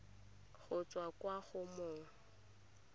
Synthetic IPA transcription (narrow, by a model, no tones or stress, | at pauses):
ɣʊt͡sʼwakʼwaɣʊmoːŋ̩